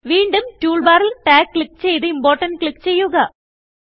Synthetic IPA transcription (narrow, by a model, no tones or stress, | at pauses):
ʋiːɳɖɯmtuːɭbaːɾilʈaːkːlik̚ːt͡ɕejðɨimboːɾʈɐnkɭikːt͡ɕejːuɣɐ